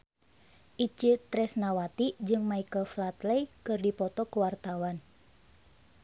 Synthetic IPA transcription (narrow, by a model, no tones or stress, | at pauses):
ʔit͡ʃɨt̪ɾɛsnawat̪id͡ʒɨŋmaikəlflat̪lɛjkɨrdipɔt̪ɔkəwart̪awan